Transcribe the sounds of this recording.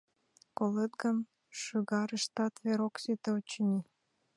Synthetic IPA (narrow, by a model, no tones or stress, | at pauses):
kolet̪̚ɡən | ʃyɣɑɾəʃt̪ɑt̪βeɾoksyt̪eot͡ɕnʲi